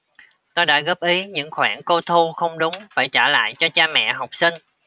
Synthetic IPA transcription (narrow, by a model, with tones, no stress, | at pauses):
t̪o˧jɗa̰ː˧˥ɣə˦˥p̚ʔi˨˦ɲɨ̰˧˥ŋxwaː˧˩nko˧t̪ʰu˧xə˧wŋ͡mɗʊ˨˦ŋ͡mfaː˧˩jt͡ɕaː˧˩la̰ː˧˨jt͡ɕɔ˧t͡ɕaː˧mɛ̰˧˨ɦa˨˩wk͡p̚sï˧ŋ̟